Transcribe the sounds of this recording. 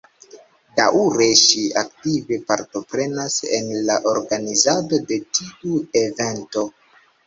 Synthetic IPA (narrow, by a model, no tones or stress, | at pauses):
da̰ʔuɾe̞ʃiak̚tive̞paɾto̞pɾe̞nasḛnlaʔo̞ɾɡanizado̞de̞tiue̞ve̞nto̞